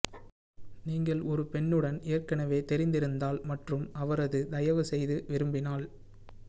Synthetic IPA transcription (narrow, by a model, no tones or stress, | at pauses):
niːŋɡɐɭɔɾɯpɛɳːɯɽɐnɪjɐrkɐnɐʋeːt̪ɛɾɪnd̪ɪɾɯnd̪aːlmɐʈrɯmɐʋɐɾɐðɯd̪ɐjɐʋɯsɛjðɯʋɪɾɯmbɪnaːl